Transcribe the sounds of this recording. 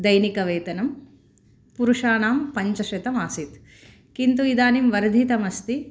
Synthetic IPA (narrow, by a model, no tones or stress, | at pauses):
d̪ɐjnikɐʋeːt̪ɐnɐm | puɾuʂaːnaːmpɐɲt͡ʃɐʃet̪ɐmaːsit̪ | kint̪uid̪aːnimʋɐɾd̪ʱit̪ɐmɐst̪i